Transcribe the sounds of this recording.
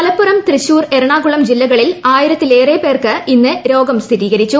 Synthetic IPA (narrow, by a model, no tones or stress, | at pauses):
ɐlɐpːuɾɐmt̪rɨɕuːre̞ɾɐɳaːɡuɭɐmd͡ʑilːɐɣɐɭilaːjiɾɐt̪ːile̞ːreːpe̞ːrkɨinːɨɾo̞ːɡɐmst̪ʰiɾiːɣɐɾit͡ɕːu